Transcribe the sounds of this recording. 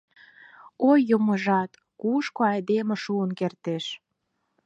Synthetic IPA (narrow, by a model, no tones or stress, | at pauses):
ojːomə̆ʒɑt̪ | kuʃkoɑjd̪emĕʃuənkert̪eʃ